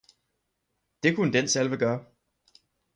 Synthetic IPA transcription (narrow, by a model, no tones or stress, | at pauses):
d̥e̝kʰunəd̥ensælʋəɡ̥ɶːɐ